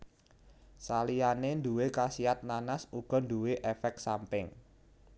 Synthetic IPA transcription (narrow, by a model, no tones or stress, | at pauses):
salijanend̪uwekasiat̪̚nanasuɡ̥ɔ̤nd̪uweʔefɛk̚sampɪŋ